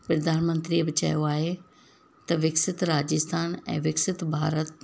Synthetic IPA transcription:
pɾɐd̪aːnmə̃nt̪ɾiebɪt͡ɕɐ̰joaːɦe | t̪ɐʋɪksɪt̪ɾaːd͡ʑɪst̪ʰaːnɛ̰̃ːʋɪksɪt̪bʱaːɾət̪̚

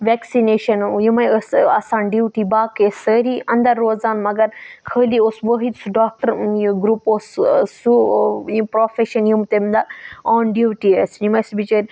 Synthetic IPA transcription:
ʋɛksineːʃɐnjimɐjəsasaːnɖiwʈibaːkesəːɾiɐ̃nd̪ɐɾːoːzaːnmɐɡɐɾkʰəːlioːsbəɦit̪suɖaːk̚ʈɐɾjɡɾuːpoːssujipɾoːfeʃɐnjumt̪emd̪aoːnɖiwʈiesjimɐsbit͡ʃəɾʲ

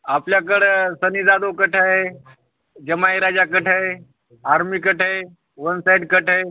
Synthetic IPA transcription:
apljak̬əɽsənid̪aːd̪okəʈʰaɦe | d͡ʒəmaiɾaːd͡ʒakəʈʰaɦe | aːɾmikəʈʰae | ʋənsaɪɖkəʈʰae

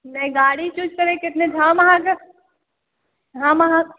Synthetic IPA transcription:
nɐĩɡaːɽit͡ʃʊt͡ʃkɐɾẽkɪt̪ned͡ʒʱãːmɐɦãkɐ | ɦãːmɐɦã

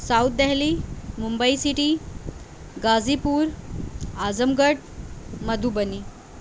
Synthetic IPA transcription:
sawt̪̚d̪aɦlimumbəisiʈi | ɡad͡zipuːɾ | ad͡zəmɡəʈ̚ | məd̪ʱubəni

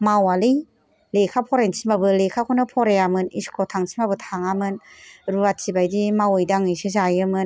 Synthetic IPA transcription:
mawalɯj | lekʰapʰɔɾent͡ʃʰimabɯlekʰakʰɔnɯpʰɔɾeamɯniskʰɔtʰaŋt͡ʃʰi̥nbabɯtʰaŋamɯnɾuatsʰibajdimawɯjdaŋɯjsɯzajɯmɯn

